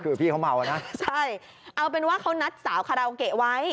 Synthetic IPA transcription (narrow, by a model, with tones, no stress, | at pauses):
kʰɯː˧pʰiː˥˩kʰa˦˥wma˧wa˨˩na˦˥t͡ɕʰa˥˩j | ʔa˧wp̬e˧nwaː˥˩kʰa˦˥wna˦˥t̪̚saː˩˦wkʰa˧ɾa˧wke˨˩wa˦˥j